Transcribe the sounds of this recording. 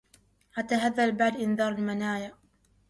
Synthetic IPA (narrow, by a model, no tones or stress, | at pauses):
ʔat̪aɦaðːalbaʕd̪ʔɪnðɑːɾˤalmanaːja